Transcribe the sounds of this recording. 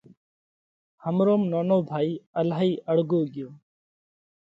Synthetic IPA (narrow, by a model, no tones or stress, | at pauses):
həmɾoːmnoːnoːbʱaːiːəlaːɦiːʔəɽɡoːɡɪjoː